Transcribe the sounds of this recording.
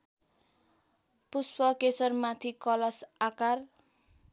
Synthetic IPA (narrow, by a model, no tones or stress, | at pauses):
puspʌkesʌrmat̪ʰikʌlʌsakar